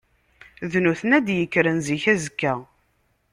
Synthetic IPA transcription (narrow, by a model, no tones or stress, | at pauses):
ðnuθənæd̪jəkːɾənziçæzəkːæ